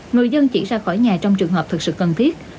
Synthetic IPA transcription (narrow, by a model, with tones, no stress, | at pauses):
ŋɨ˨˩əjzə˧nt͡ɕḭ˧˩zaː˧xɔ˧˩jɲaː˨˩t͡ɕɔ˧wŋ͡mt͡ɕɨ˨˩əŋɦəː˨˩p̚t̪ʰɨ˨˩k̚sɨ̰˧˨kə˨˩nt̪ʰi˦˥ət̚